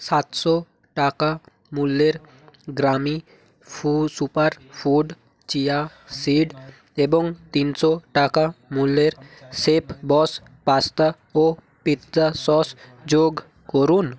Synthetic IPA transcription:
sat̪sɔ | ʈaka | mulːeɾ | ɡɾami | fusupaɾpʰuɖ | t͡ʃija | siɖ | ebɔŋt̪insɔʈakamulːeɾsepʰbɔs | past̪a | o | pit̪d͡ʒasɔsd͡ʒoɡ | kɔɾun

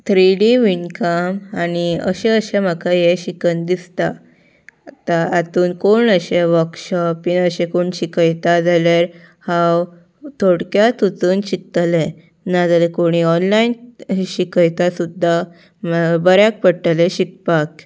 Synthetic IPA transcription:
t̪ʰɾiɽiʋiɳkamaniəɕɛ̃əɕem̤akʰajeɕikənd̪ist̪a | t̪aːt̪uːnkoɳəɕeʋəɾkɕɔpinəɕẽkoɳɕikəjt̪ad͡zalaɾ | hãw | t̪ʰoɽkjat̪ut͡suːnɕik̪̚le | nad͡zalekoɽ̃iɔnlainɕikəjt̪asud̪ʱːa | bəɾjak̚pəʈəleɕik̚pak

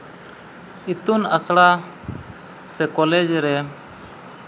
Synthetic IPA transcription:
it̪unasɽa | sɛkɔlɛd͡ʒɾɛ

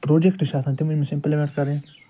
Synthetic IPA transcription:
pɾoːd͡ʒekʈiʃaːt̪ʰãːt̪eːmʊd͡ʒmẽsɪ̃mplmẽɳʈkəɾẽː

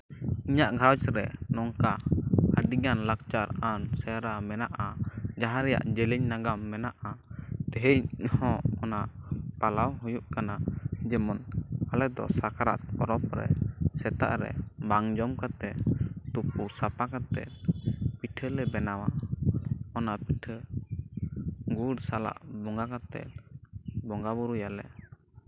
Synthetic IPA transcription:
iɲaʔɡʱawt͡ʃɾɛ̰nɔŋkaaɖiɡanlak̚t͡ʃaɾansɛɾamɛnaʔad͡ʒaɦãɾɛja̰ʔd͡ʒɛlɛɲnaɡamːɛnaʔat̪ɛɦɛhɔ̃ɔnaʔpalawɦujuʔkanad͡ʒɛmɔnalɛd̪ɔ̰sakaɾa̰t̪̚pɔɾɔp̚ɾɛ̰sɛt̪a̰ʔɾɛ̰baŋd͡ʒɔmkat̪ɛt̪upuɾsapakat̪ɛ̰lpiʈʰəlɛbɛnawa | ɔnaʔpiʈʰə | ɡuɽsala̰ʔbɔŋɡakat̪ɛ̰l | bɔŋɡabuɾujalɛ

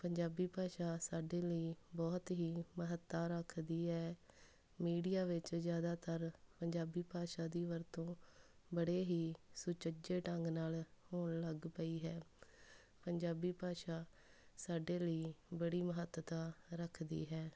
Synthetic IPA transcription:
pəɲd͡ʒaːbiːpaːʃaːsaːɖeːləiːbɔːt̪ɦiːməɦət̪ːaːɾəkʰd̪iːɦɛː | miːɖijaːʋɪt͡ʃzjaːd̪aːt̪əɾpəɲd͡ʒaːbiːpaːʃaːd̪iːʋəɾt̪õːbəɽeːɦiːsʊt͡ʃəd͡ʒeːʈəŋɡnaːlhoːnləɡpəiːɦɛː | pəɲd͡ʒaːbiːpaːʃaː | saːɖeːləiːbəɽiːməɦət̪ːt̪aːɾəkʰd̪ḭːɦɛː

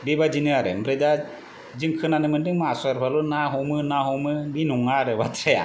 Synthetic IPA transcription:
bibad͡ʒinɯaɾɯmɾeda | d͡ʒɯŋkʰɯnanɯmɯndɯŋmaasɔjaɾpʰalunaɦɔmɯnaɦɔmɯbinuŋaɾɯbatʰɾeja̰

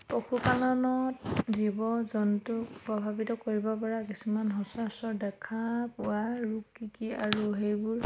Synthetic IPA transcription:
poxupalɔnɔtdibɔzɔntukpɹɔbʱabitɔkoɹibɔpɔɹakisumanɦɔsasɔdɛkʰapʊwaɹukikiaɹuɦejbʊɹ

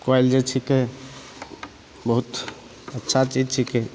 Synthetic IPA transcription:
kajld͡ʒet͡ʃʰike | bəɦut̪ | ətːʃʰat͡ʃid͡ʒt͡ʃʰike

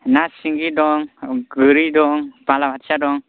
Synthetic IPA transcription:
nasiŋɡidɔŋɡɯɾidɔŋb̥alamatsadɔŋ

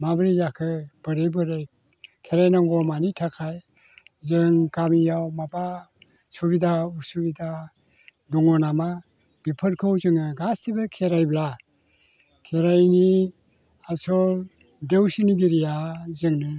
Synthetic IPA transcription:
mabɾizakʰɯb̥ɯɾebɯɾek | kʰeɾajnaŋɡɔmanitʰakʰaj | zɯŋkamijawmaba | sɔbidauɾsubida | dɔŋɔnama | b̥ipʰɯɾkʰɯwzɯŋɯɡasibɯkʰeɾajbla | kʰeɾajni | asɔ | dewsiniɡiɾijazɯŋnɯ

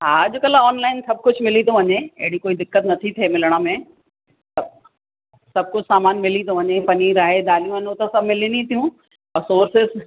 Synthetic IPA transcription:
ɦaːd͡ʑokɐlaɔːnlaːɪnsɐb̚kʊd͡ʑʰʱmɪlit̪ʰoʋɐɲeɐ̰ɦɪɽikoːid̪ɪkːət̪nɐt̪ʰit̪ʰemɪləɽ̃əmẽ | t̪ɐ | sɐb̚kʊd͡ʑʰsaːmaːnmɪlit̪ʰõʋɐɲepɐniːɾaːɦed̪aːlijũɦɐɲõt̪ɐsɐmɪlinĩt̪ʰijũ | ɐsoːɾsɪz

